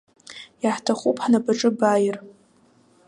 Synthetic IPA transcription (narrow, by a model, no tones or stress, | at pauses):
jaħtʰaχʷupʰʼħnabaʈ͡ʂʼɨbajɪr